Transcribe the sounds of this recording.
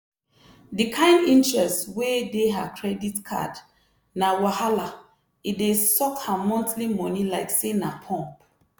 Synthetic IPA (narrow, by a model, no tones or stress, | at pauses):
dikʰãɪ̃ndĩntɹɛstwedeɦa̰kʰɹɛditkʰa̰d | nawahala | idesɔkhamɔ̃ntlimɔ̃nilaɪksenapʰɔ̃mp